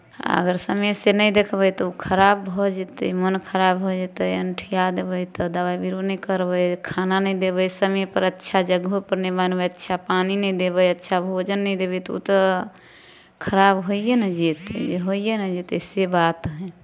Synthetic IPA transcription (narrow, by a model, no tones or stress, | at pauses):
a̰ə̰ɡəɾsəmesenəjd̪ekʰbət̪ɔukʰəɾabʱɔd͡ʒet̪əjmənkʰəɾabɦod͡ʒet̪əjənʈʰijad̪ebəjt̪ɔd̪əβaibiɾonəkəɾbəjkʰananəjd̪ebəjsəmɛjpəɾətːʃʰad͡ʒəɡɦopəɾnebanbəətːʃʰapaninəjd̪ebəjətːʃʰabʱod͡ʒənːəjd̪ebɛt̪ɔṵt̪ɔ | kʰəɾabɦoijenəd͡ʒet̪d͡ʒeɦoijenəd͡ʒet̪əsebat̪ɦɛ